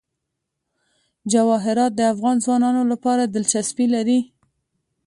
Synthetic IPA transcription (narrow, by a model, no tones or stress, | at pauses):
d͡ʒawɑɦɪɾɑt̪̚d̪əafɣɑnzwɑnɑnolapɑɾad̪əlt͡ʃaspilaɾi